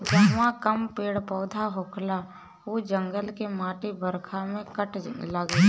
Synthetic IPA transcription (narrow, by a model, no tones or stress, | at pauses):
d͡ʒaːmãkəmpeːɽpɔːd̪ʱaɦoːkla | uːd͡ʒə̃ŋɡəlkemaːʈibəɾkʰamẽkəʈləɡ